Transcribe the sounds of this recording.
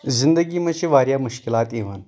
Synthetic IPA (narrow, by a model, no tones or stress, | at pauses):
zind̪əɡiːmɐʃiʋaːɾjamuʃkilaːt̪eʋən